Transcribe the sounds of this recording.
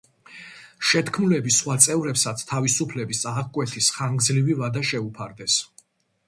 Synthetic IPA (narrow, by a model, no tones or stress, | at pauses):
ʃɛt̪ʰkʰmulɛbisχwat̪sʼɛvɾɛpsat̪sʰt̪ʰavisupʰlɛbisaʁkʼwɛt̪ʰisχaŋɡd̪zlivivad̪aʃɛupʰaɾd̪ɛs